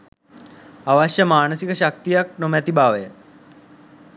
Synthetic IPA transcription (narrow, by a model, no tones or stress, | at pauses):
aʋaɕjəmaːɳəsikəɕak̚t̪ijak̚nomɛt̪ibaːʋəjə